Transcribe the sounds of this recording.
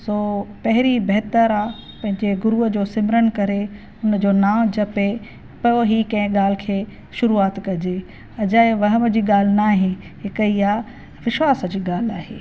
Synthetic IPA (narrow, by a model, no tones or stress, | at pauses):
soːpɐɦɪɾibɐɦt̪əɾa | pɐ̃ɦɪ̃ɲd͡ʑeɡʊɾuəd͡ʑoːsɪmɾənkɐɾe | ʊnd͡ʑoːnaːd͡ʑɐpe | pɐjoɦikɐ̃ɪ̃ɠaːl̤ɪ̆kʰeː | ʃʊɾuaːt̪kɐd͡ʑe | ɐd͡ʑaːeʋɐɦəməd͡ʑiːɠaːl̤ɪnaːɦɪ̃ | ɦɪkəiaː | ʋɪʃʋaːsəd͡ʑiːɠaːl̤aːɦḛː